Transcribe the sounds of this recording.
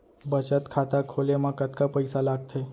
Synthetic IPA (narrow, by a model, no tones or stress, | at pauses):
bət͡ʃət̪kʰat̪akʰolemãkət̪kapəjsalaɡ̚t̪ʰe